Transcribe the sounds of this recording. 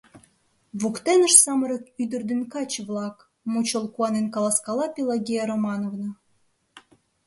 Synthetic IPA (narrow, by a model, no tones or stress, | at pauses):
βukt̪enə̆ʃsɑməɾəkyd̪ə̆rd̪ĕnkɑt͡ɕβlˠɑk | mut͡ɕolˠkuɑnenkɑlˠɑskɑlˠɑpʲilˠaɡʲejeɾomɑnovnɤ̆